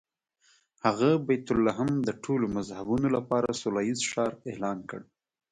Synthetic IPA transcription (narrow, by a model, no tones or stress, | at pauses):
haɣabajt̪ʊlːaɦamd̪əʈʰolomazhabunolapɑɾasʊlɑjizʃɑɾelɑnkə̰ɽ